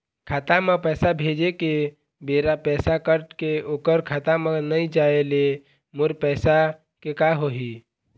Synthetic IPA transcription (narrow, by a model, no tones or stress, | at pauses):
kʰaːt̪amə̃pɛːsabʱeːd͡ʒeke | beːɾapɛːsakəɾʈkeoːkəɾkʰaːt̪amə̃nəĩd͡ʒaːele | mʊɾpɛːsa | kekaɦoɦi